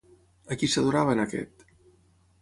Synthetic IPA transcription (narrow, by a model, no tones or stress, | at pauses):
əkisəðuɾaβənəkɛ̰t̪